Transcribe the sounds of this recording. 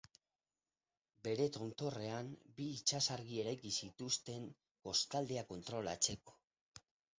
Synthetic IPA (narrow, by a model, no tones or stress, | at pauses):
be̞ɾe̞t̪o̞nt̪o̞re̞ambiːt͡ʃasaɾɣie̞ɾajkisit̪ust̪e̞ŋ | ɡo̞st̪ald̪e̞ako̞nt̪ɾo̞la̰t͡se̞ko̥